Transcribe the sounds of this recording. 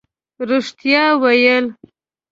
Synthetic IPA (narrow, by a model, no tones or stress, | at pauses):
ɾuʂt̪jɑwajəl